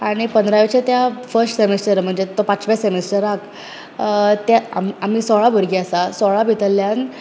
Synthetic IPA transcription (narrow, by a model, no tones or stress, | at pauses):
aɽ̃ipənd̪ɾaʋet͡ɕat̪jafəɾsʈsemesʈəɾm̤əɳd͡zet̪opãt͡sʋjasemesʈəɾak | t̪jaa̰mam̤isɔɭabəɾɡiasasɔɭabʱit̪əlːjan